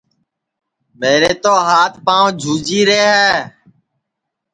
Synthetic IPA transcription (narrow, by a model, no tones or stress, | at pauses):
meːɾeːt̪oːɦaːt̪ʰpaːõːd͡ʒʱuːd͡ʒiːɾeːɦɛː